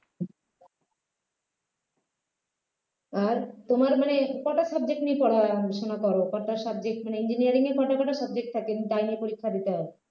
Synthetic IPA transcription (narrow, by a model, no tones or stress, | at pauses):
aɾt̪omaɾmanekɔʈasʌbd͡ʑek̚ʈnipɔɽaʃonakɔɾokɔʈasab̚d͡ʑek̚ʈmaneind͡ʑiniaɾiŋeɾpɔʈakɔʈasɔb̚d͡ʑek̚ʈ̚t̪ʰaket̪ajniepoɾikʰːad̪it̪eɦɔe